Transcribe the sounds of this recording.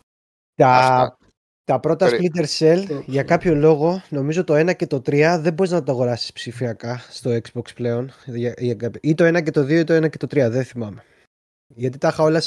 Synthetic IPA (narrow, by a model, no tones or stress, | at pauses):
t̪ɐ | t̪ɐpɾo̞t̪ɐsplit̪eɾselʝɐkɐpço̞lo̞ɣo̞no̞mizot̪o̞e̞nɐce̞t̪o̞t̪ɾiɐðe̞mbo̞ɾiznɐt̪oɐɣo̞ɾɐsi̥spsifiɐkɐst̪o̞ekz̥boksple̞o̞nʝɐʝɐkɐpit̪o̞e̞nɐce̞t̪o̞ðio̞it̪o̞enɐce̞t̪o̞t̪ɾiɐðeθimɐme̞ | ʝɐt̪it̪ɐxɐolɐs